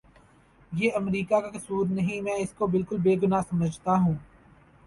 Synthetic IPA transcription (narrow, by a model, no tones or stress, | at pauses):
jeːʔɐmɾiːkakakɐsuːɾnɐɦĩmɛ̃ːɪskobɪlkʊlbeːɡʊnasɐməd͡ʒʱt̪aɦũː